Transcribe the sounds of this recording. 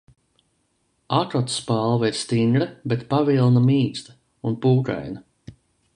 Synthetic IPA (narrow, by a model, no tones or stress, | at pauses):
akɾɔt̪spalˠvɛiɾst̪iŋɡɾɛbet̪pavilˠnamiːst̪ḁ | unpuːka̰jna